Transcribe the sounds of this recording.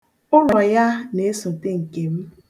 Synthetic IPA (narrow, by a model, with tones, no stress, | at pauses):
ʊ˦nɔ˨ja˦ne˨˦sʊ˨te˦ŋ̩˨ke˨m̩˦